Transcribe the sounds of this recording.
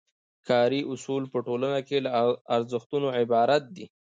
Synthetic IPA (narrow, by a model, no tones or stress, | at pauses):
kʰɑɾiʔʊsulpəʈolənakelaaɾzəxt̪unoʕɪbɑɾat̪̚d̪i